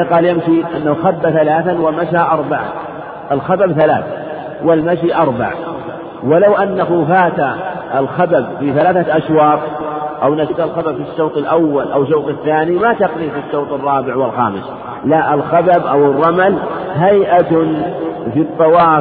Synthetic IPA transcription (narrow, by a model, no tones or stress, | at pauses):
qɑːljamʃiʔanːahuxabːaθalaːθanwɪmaʃaʔɑɾˤbaʕa̰ | ʔɪlxababθalaːθ | wɪlmaʃiʔɑɾˤba̰ʕ | wɪlawʔanːaɦufaːt̪a | ʔɪlxababfiθalaːθaʔaʃwɑːt̪̚ˤʔawnat̪alxababfiʃːowt̪ˤɪlʔawːalʔawʃ̬owt̪ˤɪθːaːnimat̪ɑqnifiʃːoːt̪ˤɨrˤːɑːbɪʕwɪlxa̰ːmɪs | laʔɪlxababʔawɪrˤːɑmalɦajʔa | fit̪ˤːɑwɑː